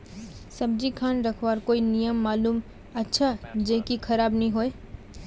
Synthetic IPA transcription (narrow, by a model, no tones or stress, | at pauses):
sɐbd͡ʒikʰaːnɾɐkʰʋaːɾkoːinijəmːaːluːm | ɐtːʃʰad͡ʒeːkikʰɐɾaːbnɐɦĩɦoːe